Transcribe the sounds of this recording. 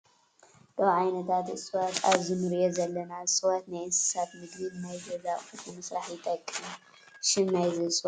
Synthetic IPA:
d̥̪ɐβʕajnɐt̪ʰat̪ɨsʼɨwat̪ʰaβzɨnɨɾjozɐlːɐnaɨsʼɨwat̪najɨnsɨ̥sat̪mɨd̪lɨlnajzɐzaχɨfumɐsɾaħjɪt̪ʰʼɐkʼːɨnu | ʃɪmnajzɨsʼwa

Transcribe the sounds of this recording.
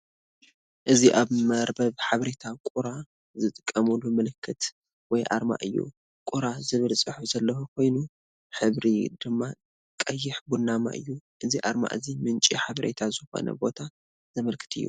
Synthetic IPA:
ʔɨziʔaβmɐɾbɐβħaβɐɾet̪ʰakʼuɾa | zɨt̪ʼɨkʼːɐmulːumɨlɨkʰːɨt̪ | wɔjʔa̰ɾma̰ʔɨjːṵ | kʼuɾazɨβɨlsʼɨħuzɐlːɐwɐkʰo̞jnu | ħɨβɾid̪̥ɨmːa | kʼɐjːɪħbunːama̰ʔɨ̰jːuʔɨziʔa̰ɾma̰ʔɨzimɨnt͡ʃʼiħaβɐɾḛt̪ʰazɨxo̞̰nɐ̰bo̞t̪ʰa | z̥ɐmɐlkʰɨ̥t̪ʰɨ̰jːṵ

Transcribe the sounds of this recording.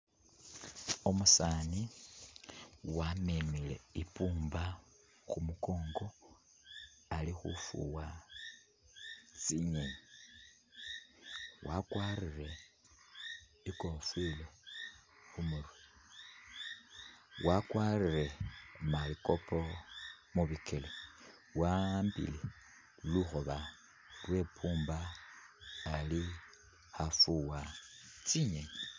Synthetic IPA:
omusaːni | wamimile̞̰ipuːmba | xumuko̞ːŋɡo̞ | alixṵfṵwa | t͡siɲe | wakwaːrire̞ | ikofwile | xumuɾu | wakwariɾemalikopʰomuβikʰele | wambḭle | luxoβa | lwe̞pʰuːmbaː | li | xafuwat͡siɲeɲi

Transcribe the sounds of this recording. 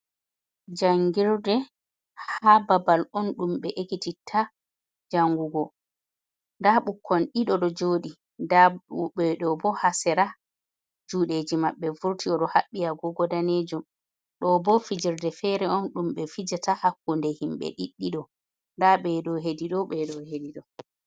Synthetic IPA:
d͡ʒaŋɡiɾdɛ | hababalɔnɗumɓɛʔekititʰa | d͡ʒaŋɡuɡɔ | ndaɓukʰːɔnɗiɗɔɗɔd͡ʒoːɗi | daɛɗɔbɔhasɛɾa | d͡ʒuːɗed͡ʒimaɓːɛvuɾtiɔɗɔhaɓːijaɡɔɡɔdaned͡ʒum | ɗɔbɔfid͡ʒiɾdɛfɛɾɛɔnɗumɓɛfid͡ʒatahakːundɛhimɓɛ̰ɗḭɗːiɗɔ | ndaɓɛɗɔɦediɗɔɓɛɗɔhediɗɔ

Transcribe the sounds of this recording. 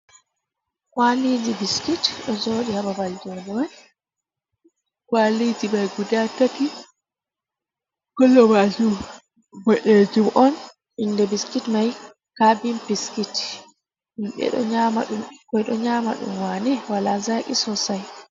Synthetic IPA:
kwalid͡ʒibiskitɗɔzoːɗihababald͡ʒɔnɛwani | kwalid͡ʒibajɡudatːati | kɔlːɔwad͡ʒum | bɔɗed͡ʒumʔɔn | indɛbiskitmaj | kabimpiskit | himɓɛ̰ɗɔ̰ɲamaɗumkɔjɗɔɲaːma̰ɗṵmwanɛwalazaːkʼisɔsaj

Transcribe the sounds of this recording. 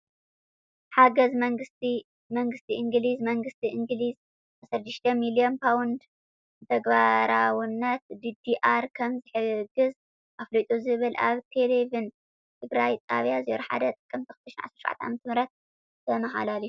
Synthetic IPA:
ħaɡɐzmɐŋɡɨst̪i | mɐŋɡɨst̪ʰiʔɨŋɡlizmɐŋɡɨst̪ʰiʔɨŋɡliz | ʔasɐɾd̪ɨʃt̪ʰɐmilionpʰawnd̪ | t̪ʰɐɡbaɾawnːat̪̚d̪id̪iʔaɾkʰɐmzɨħɨɡɨz | ʔaflojt̪ʼuzɨβɨlʔa̰βt̪ʰelevin | t̪ʰɨɡɾajt̪ʼa̰βjazeɾħa̰d̪ɐt̪ʼɨ̥kʼːɨmt̪ʰɐxɨ̥t̪ʰɐʃnʕa̰sɾʃuwʕa̰t̪ʰɐʕa̰mɐt̪ʰmɨɾɐt̪̚ | t̪ʰɐmɐɦa̰laliu

